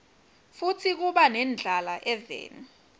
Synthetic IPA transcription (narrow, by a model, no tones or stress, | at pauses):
futʰik̬uɓanɛnd͡ɮʱalaʔɛvɛ̰ːn